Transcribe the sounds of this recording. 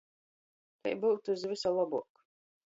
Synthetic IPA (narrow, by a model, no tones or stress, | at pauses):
t̪ɛ̰jbuːt̪uzvisalˠɔbuɔk